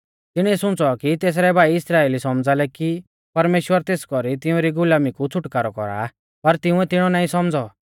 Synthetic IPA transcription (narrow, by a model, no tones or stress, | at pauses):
t̪ɪɽ̃ɛsʊ̃t͡sɔkit̪eːs̬ɾɛbʱaːiɪsɾaːeːlisɔmd͡zalɛki | pɐɾmeːʃwəɾt̪eːskɔɾit̪ɪũɾiɡʊlaːmikut͡sʰʊʈkaːɾɔkɔ̰ɾa̰ | pɐɾt̪ɪ̃ʊ̃ɛt̪ɪɽ̃ɔnaːĩsɔmd͡zɔ